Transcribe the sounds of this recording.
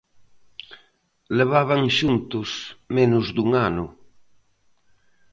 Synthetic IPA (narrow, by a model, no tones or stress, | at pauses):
leβ̞aβ̞aŋʃunt̪ʊsmenʊzd̪uŋanʊ